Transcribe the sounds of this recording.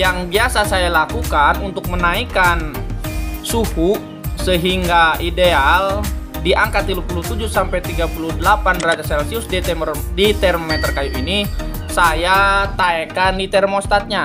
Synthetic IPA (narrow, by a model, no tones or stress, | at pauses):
jaŋbiasasajalakukanunt̪ʊk̚mənaikan | sukuʔ | səɦiŋɡaidealdiʔaŋkat̪ilupulut̪ud͡ʒusampajt̪iɡapuludəlapanrad͡ʒasɛlsiusdet̪ɛmərdit̪ɛrmomɛt̪ərkajit̪ini | sajat̪aɛkandit̪ɛrmost̪at̪̚ɲa